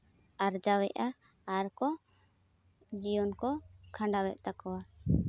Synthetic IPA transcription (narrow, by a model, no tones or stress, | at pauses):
aɾd͡ʒawɛʔaː | ɾkɔ | d͡ʒijɔnkɔkʰãɳɖawɛʔ̪̚ˀt̪akɔwa